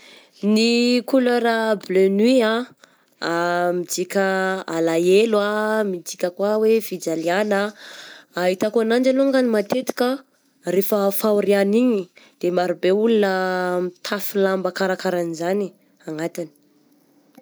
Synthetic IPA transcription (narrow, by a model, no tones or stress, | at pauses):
nikuloɾablønia | amid͡ʒikʲəa̰laelwamid͡ʒikʲəkwawevid͡ʒalianaː | ɦit̪akuanand͡ʒaloŋɡanimat̪et̪i̥kʲə | refəfauɾianiɲid̪̥emaɾubeulunəmt̪ʰafilambəkaɾakaɾanizani | aŋat̪ini̥